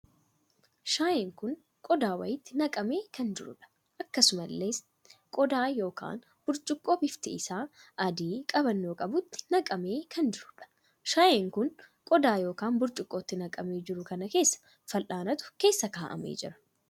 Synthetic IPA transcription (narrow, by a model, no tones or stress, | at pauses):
ʃaːjeːŋkʊn | kʼɔd̪aːwɐ̰jɪt̪ːɪnɐkʼɐme̞ːkɐnd͡ʒɪɾʊ̰ᶑɐ̥ | ʔɐkːɐsʊmɐlːe̞ːs | kʼɔd̪aːjo̞ːka̰ːn | b̥ʊɾt͡ʃʼɪkʼːoːbɪft̪ɪ̰ɪsaːʔɐd̪iːkʼɐbɐnːoːkʼɐbʊt̪ːɪ̥nɐkʼɐme̞ːkʰɐnd͡ʒɪɾʊᶑɐ̥ | ʃaːjeŋkʊn | kʼɔd̪aːjo̞ːkaːnbʊɾt͡ʃʼʊkʼːo̞ːt̪ːɪnɐkʼɐme̞ːd͡ʒɪɾʊkɐnɐke̞ːsːɐ̥ | fɐlʔaːnɐt̪ʊ̥ke̞ːsːɐkaːʔɐ̰mḛːd͡ʒɪ̰ɾɐ̥